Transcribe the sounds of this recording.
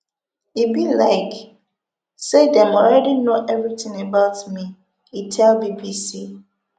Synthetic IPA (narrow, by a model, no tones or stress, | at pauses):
ibilaɪk | sedɛ̃mɔlɹɛdinoʔɛvɹitɪ̃ŋəbaʊtmi | itʰɛlbibisi